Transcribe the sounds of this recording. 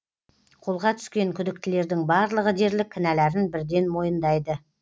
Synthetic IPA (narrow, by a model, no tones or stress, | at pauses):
qʰo̞lˠʁɑt̪ʰʏ̥skʲe̞ŋkʲʰʏd̪ɪk̚t̪ɪle̞ɾd̪ɪŋbɑɾlˠəʁəd̪e̞ɾlɪkʲʰːɪnælæɾɪnbɪɾd̪e̞nmo̞jənd̪ɑjd̪ə